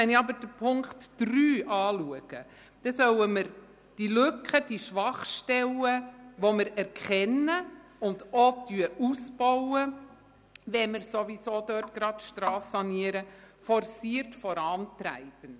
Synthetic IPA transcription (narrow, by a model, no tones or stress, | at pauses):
ɛniɑbəd̥əpʰʊŋktd̥ryːʔɑːluəɡ̥ə | d̥ɛsœwəməɾ | d̥ilɵkχəd̥iʃʋɑχʃtɛləʋoməɾɛɾkχɛnːəʊndotyəʔusb̥ɔwə | ʋɛmɪɾsoʋisoːdœːt̚ɡ̥ɾɑtʃtɾɑːsɑniəɾə | fɔɾsiəɾtfɔɾɑːntɾæ̰ɪb̥ən